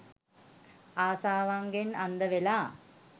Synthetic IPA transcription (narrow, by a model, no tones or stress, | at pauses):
aːsaːʋaŋɡenand̪əʋelaː